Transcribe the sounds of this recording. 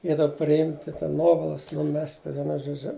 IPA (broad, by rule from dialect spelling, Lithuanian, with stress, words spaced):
ɪ dɐ pʲrʲɪˈɪmʲtʲɪ tʲɛn ˈnuɔʋɐlˠɐs nʊˈmʲæːsʲtʲɪ ʋʲiɛˈnʊ ʒoːˈd͡ʒʲʊ